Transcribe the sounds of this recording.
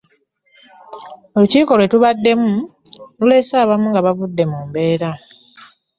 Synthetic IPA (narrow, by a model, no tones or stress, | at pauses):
oluciːko̞lwe̞tuβadːe̞mulule̞saːβamuŋɡaβavudːe̞muːmbe̞ːɾa